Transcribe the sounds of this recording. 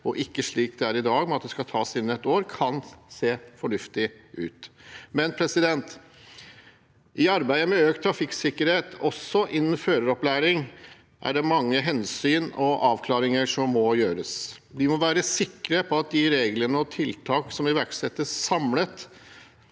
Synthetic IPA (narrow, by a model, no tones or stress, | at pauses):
ɔʔɪkːəʂɭiːk̚d̪ɛæɾɪd̪ɑːɡmɛɑt̪̚d̪ɛskɑt̪ʰɑːsɪnːɛt̪oːɾkʰɑnseːfɔɳʉft̪ɪʔʉ̰ːt̪mɛnpʰɾɛsɪd̪ɛnt̪ | ɪɑɾbæɪəmɛøːk̚t̪ʰɾɑfɪksɪkːəɾheːt̪ʰɔsːɔʔɪnːənføːɾəɾɔplæːɾɪŋ | ʔæ̰ɖɛmɑŋːəɦɛnsyːnɔʔɑːʋkʰlɑːɾɪŋəʂɔmːɔjøːɾəsd̪ɪmɔʋæːɾəsɪkːɾəpʰɔɑt̪̚d̪ɪɾeːɡlənəɔt̪ʰɪlt̪ʰɑːksɔmɪʋæɾksɛt̪ːəsɑmlət̪